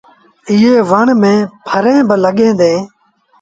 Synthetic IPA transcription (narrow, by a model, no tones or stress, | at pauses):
ɪɦeːʋəɳmẽːpʰəɾẽːbələɠẽːd̪ẽː